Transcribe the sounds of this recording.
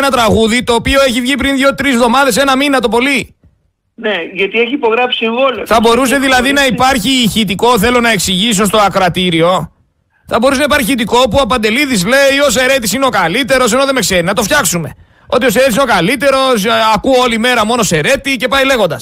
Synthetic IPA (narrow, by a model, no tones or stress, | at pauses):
nɐt̪ɾɐɣuðit̪o̞ːpio̞e̞çivʝipɾinðʝo̞t̪ɾizvðo̞mɐðe̞se̞nɐminɐt̪o̞po̞li | neʝɐt̪ieçiipo̞ɣɾɐpsieŋɣoloθɐbo̞ɾuse̞ðilɐðinɐipɐɾçiçit̪iko̞θe̞lo̞nɐe̞ksiʝis̬ost̪oɐkɾɐt̪iɾio̞ | θɐbo̞ɾusenɐipɐɾçiçit̪iko̞puɐpɐnd̪e̞liðizle̞io̞se̞ɾe̞t̪isineo̞kɐlit̪e̞ɾo̞s̬e̞noðe̞me̞kse̞ɾinɐt̪o̞fçɐksume̞ | o̞t̪io̞seɾet̪isino̞kɐlit̪e̞ɾo̞sɐkuo̞lime̞ɾɐmo̞no̞se̞ɾe̞t̪ice̞pɐjle̞ɣo̞nd̪ɐs